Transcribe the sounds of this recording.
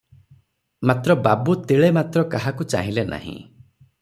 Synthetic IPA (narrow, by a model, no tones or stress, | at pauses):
mat̪ɾɔbabut̪iɭemat̪ɾɔkaɦakut͡ʃa̰ɦĩlena̰ɦḭ̃